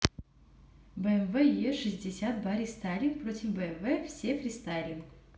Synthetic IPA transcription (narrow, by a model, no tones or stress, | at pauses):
bəɛmvɛjeʂɨzʲdʲɪsʲat̪̚baɾʲɪst̪alʲɪnpɾo̞tʲɪfbəɛnvɛfsʲefɾʲɪst̪alʲɪn